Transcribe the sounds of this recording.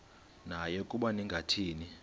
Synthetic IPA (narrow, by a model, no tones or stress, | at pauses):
najɔkʼuɓaniŋɡʱatʰiːni